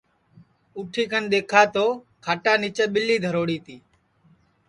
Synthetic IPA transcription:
uːʈʰiːkʰənɗ̪eːkʰaːt̪oː | kʰaːʈaːnɪt͡ʃəːɓɪlːiːd̪ʱəɾoːɽiːt̪iː

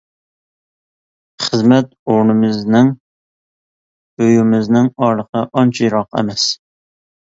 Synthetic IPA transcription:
χəzmɛt̪̚oɾnɨmɨznɪŋ | øjymɪznɪŋɑɾlˠəqʰɑʔɑnt͡ʃʰijɾɑqɛ̰mɛs

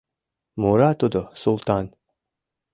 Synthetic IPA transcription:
muːɾat̪ud̪osulˠt̪ɑːn

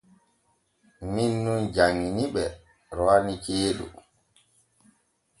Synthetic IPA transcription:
minːund͡ʒaŋːiniɓɛ | ɾɔanit͡ʃeːɗṵ

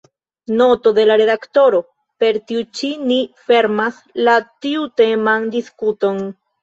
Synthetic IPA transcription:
no̞to̞de̞laɾe̞dakto̞ɾo̞ | pe̞ɾtiut͡ʃinife̞ɾmas | latiute̞mandiskuto̞n

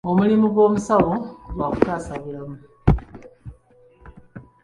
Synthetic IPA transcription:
o̞mulimuɡwo̞ːmusaβo̞ɡwaːku̥kaːsaβiɾamu

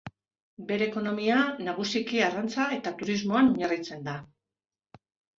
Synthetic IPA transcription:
be̞ɾe̞ːko̞no̞mianaɣ̞usikiarant͡sae̞t̪at̪uɾizmo̞anɲarit͡se̞nd̪a

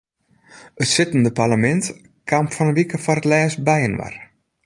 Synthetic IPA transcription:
ətsɪtəndəparləmɛnt | kʰamfɔnənʋikəfɔrətlɛːsbɛjənʋa̰r

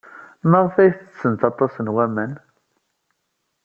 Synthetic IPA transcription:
məʁˤfæjθəsːənt̪ɑt̪ˤːɑsnwæmən

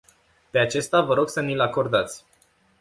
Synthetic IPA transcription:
pe̞at͡ʃe̞st̪avəɾo̞ɡsənilako̞rd̪at̪sʲ

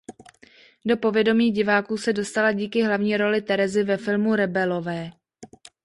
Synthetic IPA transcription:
do̞po̞vjɛdo̞miːɟɪvaːkuːsɛdo̞st̪alaɟiːkɪɦlavɲiːɾo̞lɪt̪ɛɾɛzɪvɛfɪlmuɾɛbɛlo̞vɛː

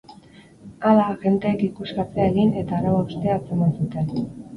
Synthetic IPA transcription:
alaʝe̞nt̪eːkikuskat͡seae̞ɣine̞t̪aːɾaβaust̪eat͡semansut̪e̞n

